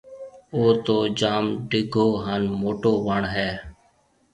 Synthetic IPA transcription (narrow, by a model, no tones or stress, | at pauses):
oːt̪oːd͡ʒaːmɖɪɡʱoːɦaːnmoːʈoːʋəɳɦɛː